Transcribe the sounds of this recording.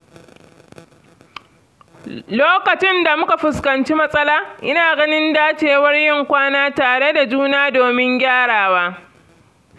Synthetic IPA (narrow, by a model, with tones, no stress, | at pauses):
loː˦kɐ˨t͡ʃɪ˦nda˨mʊ˦ka˨ɸʊ˨skɐ˨nt͡ʃi˦mɐ˦sʼɐ˦laː˦ʔɪ˦naː˨ɡɐ˦nɪ˦ndaː˦t͡ʃeː˨wɐ˦rjɪ˦ŋkʷaː˦naː˦taː˨ɽe˦da˨d͡ʒuː˦naː˦doː˨mɪ˦ŋɡʲaː˦ɽaː˨waː˦